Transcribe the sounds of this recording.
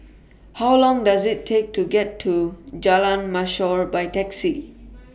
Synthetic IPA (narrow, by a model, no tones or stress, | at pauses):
hawlɔ̃ŋdazɪtʰːek̚tʰuɡɛtʰːud͡ʒalãnmaʃɔɹbajtɛksi